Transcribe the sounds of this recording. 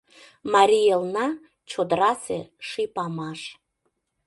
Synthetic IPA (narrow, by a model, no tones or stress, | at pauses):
mɑɾʲijelˠnɑ | t͡ɕʰod̪ɾɑseʃipɑmɑʃ